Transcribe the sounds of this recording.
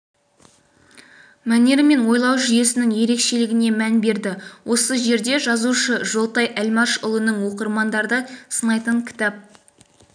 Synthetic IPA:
mæne̞ɾme̞nwo̞jlˠɑwʒʏje̞sɪnɪŋje̞ɾe̞kʃe̞lɪɡʲɪne̞mænbe̞ɾd̪ɪwʔo̞səʒe̞ɾd̪e̞ʒɑzuʃəʒo̞lˠt̪ɑjʔælmɑʃʊlˠənəɴwo̞qəɾmɑnd̪ɑɾd̪əsənɑjt̪əɴkʲʰɪ̥t̪ɑp̚

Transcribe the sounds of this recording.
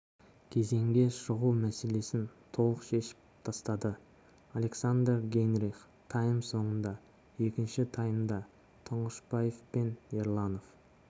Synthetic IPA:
kʲʰe̞ze̞ŋɡʲe̞ʃəʁuwmæse̞le̞sɪnt̪ʰo̞lˠəqʃe̞ʃɪ̥p̚t̪ʰɑst̪ɑd̪ə | alʲe̞ksand̪rɡʲe̞nɾiχ | t̪ʰɑjəmso̞ɴənd̪ɑ | je̞kʲɪnʃɪt̪ʰɑjəmd̪ɑ | t̪ʰʊɴəʃbajefpe̞neɾlˠɑno̞f

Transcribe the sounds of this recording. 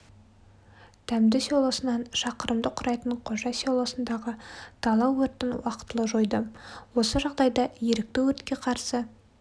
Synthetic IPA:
t̪ʰæmd̪ɪsolˠosənɑnʃɑqəɾəmd̪əqʰʊɾɑjt̪əɴqʰo̞ʒɑsolˠosənd̪ɑʁət̪ʰɑlˠɑwːɵɾt̪ɪnwɑqə̥t̪ːəlˠəʒo̞jd̪əwo̞səʒɑʁd̪ɑjd̪ɑjeɾɪk̚t̪ɪwɵɾt̪kʲe̞qʰɑɾsə

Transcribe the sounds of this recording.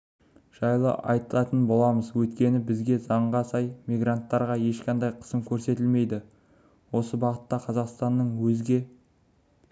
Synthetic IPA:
ʒ̥ɑjlˠə̰ʔɑ̰jt̪əlˠɑt̪ənbo̞lˠɑməzwɵt̪kʲe̞nɪbɪzɡʲe̞zɑɴʁɑsɑjmijɡrant̪ːɑɾʁɑje̞ʃqʰɑnd̪ɑjqʰə̥səmkʲʰɵɾse̞t̪ɪlme̞jd̪ɪ | wo̞səbɑʁət̪ːɑqʰɑzɑqst̪ɑnːəɴwɵzɡʲe̞

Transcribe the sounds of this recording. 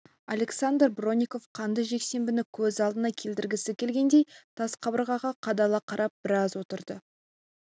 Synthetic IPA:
a̰le̞ksand̪rbro̞nʲiko̞fqʰɑnd̪əʒe̞kse̞mbɪnɪkʲʰɵzɑlˠd̪ənɑkʲʰe̞ld̪ɪɾɡʲɪsɪkʲʰe̞lɡʲe̞nd̪e̞jt̪ʰɑsqʰɑbəɾʁɑʁɑqʰɑd̪ɑlˠɑqʰɑɾʔɑp̚b̥ɪɾɑzwo̞t̪əɾd̪ə

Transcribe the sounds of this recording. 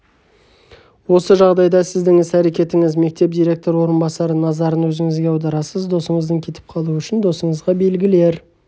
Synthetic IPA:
wo̞səʒɑʁd̪ɑjd̪ɑsɪzd̪ɪŋɪsæɾe̞kʲe̞t̪ɪŋɪzme̞k̚t̪e̞p̚d̪ijɾʲe̞k̚t̪o̞ɾwo̞ɾənbɑsɑɾənɑzɑɾənwɵzɪŋɪzɡʲe̞ɑwd̪ɑɾɑsəzd̪o̞səɴəzd̪əŋkʲʰe̞t̪ʰɪ̥p̚qʰɑlˠuʏʃɪnd̪o̞səɴəzʁɑbe̞lɡʲɪle̞ɾ

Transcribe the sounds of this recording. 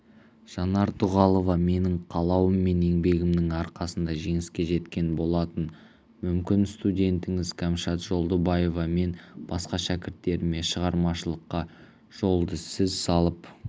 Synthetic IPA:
ʒ̥ɑnɑɾt̪ʰʊʁɑlˠo̞vɑme̞nɪɴqʰɑlˠɑwəmːe̞ne̞ŋbe̞ɡʲɪmd̪ɪŋɑɾqɑsənd̪ɑʒe̞ŋɪskʲe̞ʒe̞t̪kʲe̞nbo̞lˠɑt̪ən | mʏmkʲɪnst̪udʲe̞nt̪ɪŋɪzkʲʰæmʃɑt̪ʒ̥o̞lˠd̪əbɑje̞vɑme̞nb̥ɑsqɑʃækʲɪɾt̪ːe̞ɾɪme̞ʃəʁɑɾmɑʃəlˠəqːɑ | ʒ̥o̞lˠd̪əsɪzsɑlˠəp

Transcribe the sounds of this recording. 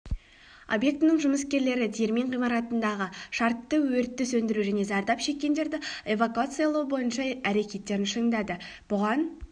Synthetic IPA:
o̞̰bje̞k̚t̪ɪnɪŋʒʊməskʲe̞ɾle̞ɾɪd̪ʰejeɾmiɴqijmɑɾɑt̪ənd̪ɑʁəʃɑɾt̪ːəwɵɾt̪ːɪsɵnd̪ɪɾuʒæne̞zɑɾd̪ɑpʃe̞kʲːe̞nd̪e̞ɾd̪ɪe̞vakuat̪sɨjalˠɑwəbo̞jənʃɑæɾe̞kʲe̞t̪ːe̞ɾɪnʃəɴd̪ɑd̪əb̥ʊʁɑn

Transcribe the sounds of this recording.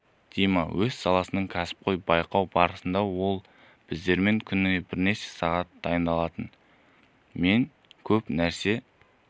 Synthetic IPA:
d̪̥ʰejmɑwɵz̥sɑlˠɑsənəɴkʲʰæsɪ̥p̚qʰo̞jbɑjqɑwbɑɾəsənd̪ɑwo̞lˠ | b̥ɪzd̪e̞ɾme̞ŋkʲʰʏnɪnebɪɾne̞ʃe̞̥sɑʁɑt̪̚d̪ɑjənd̪ɑlˠɑt̪ən | me̞ŋ | kʲʰɵpnæɾse̞

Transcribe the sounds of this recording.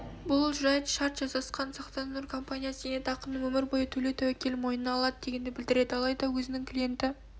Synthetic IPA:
bʊlˠʒʊɾɑjt̪ʃɑɾt̪ʒ̥ɑzɑsqɑnsɑqt̪ɑnnʊɾkʰo̞mpanʲijasenet̪ɑqəmnəŋwɵmɪɾbojət̪ʰɵlet̪ʰæwækʲe̞lmo̞jnənɑːlˠɑd̪əd̪e̞ɡʲe̞nd̪ɪbɪld̪ɪɾe̞d̪ɪɑlˠɑjd̪ɑwɵzɪnɪŋkʲʰlʲije̞nt̪ɪ

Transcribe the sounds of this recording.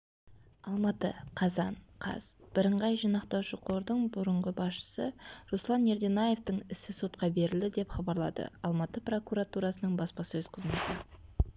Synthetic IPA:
ɑlˠmɑt̪əqʰɑzɑɴqʰɑ̰z̥b̥ɪɾəɴʁɑjʒijnɑqt̪ɑwʃəqʰo̞ɾd̪əɴbʊɾəɴʁəbɑsʃə̥səɾuslˠɑne̞ɾd̪e̞naje̞ft̪əɴɪsɪso̞t̪̚qɑbe̞ɾɪld̪ɪd̪e̞pχɑbɑɾlˠɑ̰d̪ə̰ɑlˠmɑt̪əpro̞kuɾat̪uɾɑsənəɴbɑspɑsɵzqʰəzme̞t̪ɪ

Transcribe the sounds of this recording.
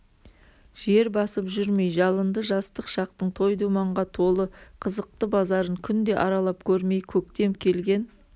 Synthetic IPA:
ʒ̥e̞ɾbɑsəpʒʏɾme̞jʒɑlˠənd̪əʒɑst̪əqʃɑq̚t̪əɴt̪ʰo̞jd̪umɑɴʁɑt̪ʰo̞lˠəqʰəzəq̚t̪əbɑzɑɾəɴkʲʰʏnd̪e̞ʔɑɾɑlˠɑp̚kʲʰɵɾme̞jkʲʰɵk̚t̪e̞mkʲʰe̞lɡʲe̞n

